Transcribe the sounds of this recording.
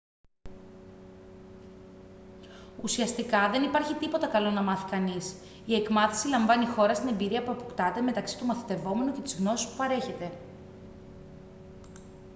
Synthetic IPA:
usiɐst̪ikɐðe̞nipɐɾçit̪ipo̞t̪ɐkɐlo̞nɐmɐθi̥kɐnis | ie̞kmɐθi̥silɐɱvɐnixo̞ɾɐst̪ine̞mbiɾiɐpuɐpokt̪ɐt̪e̞me̞t̪ɐksi̥t̪umɐθit̪e̞vo̞me̞nuce̞t̪izɣno̞si̥spupɐɾe̞çe̞t̪e̞

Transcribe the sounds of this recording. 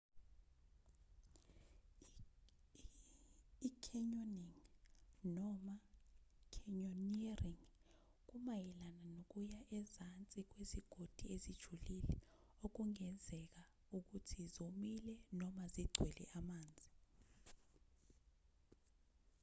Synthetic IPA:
ikʰɛɲoniŋ | nɔmakʰɛɲoniariŋ | k̬umajɛlananok̬ujaʔɛzant͡sʼik̬weziɡ̥ʱod̥ʱiezid̥ʒ̥ʱulilɛ | ok̬uŋɛnd͡zʱɛk̬a | uk̬utʰizomilɛnɔmaziɡ͡ǀʱwɛlɛ̰ʔamaːnd͡zʱi

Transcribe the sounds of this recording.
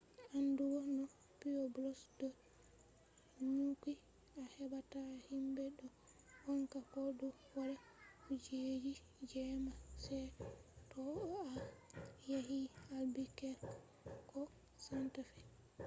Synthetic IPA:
anduɡɔnɔ | piɔblɔsdɔ | ɲuki | ahɛbatahimbɛɗɔ | waŋkakɔdu | waɾa | hud͡ʒed͡ʒi | d͡ʒɛmasɛtɔa | jaɦialbikɛɾ | kɔ | santafɛ

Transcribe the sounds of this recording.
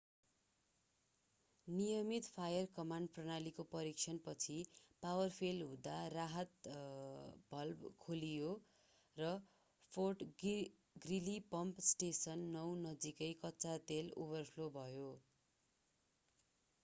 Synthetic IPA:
nijʌmit̪pʰajʌrkʌmaɳɖ̚prʌnalikopʌɾik̚t͡sʰʌnpʌt͡sʰipawʌrpʰelɦũd̪araɦʌt̪ | b̥ʱʌlbkʰolijo | rʌ | pʰorʈ | ɡrilipʌmpsʈesʌnːʌwnʌd͡zikʌjkʌtːt͡sat̪elṵβʌrpʰlobʱʌjo

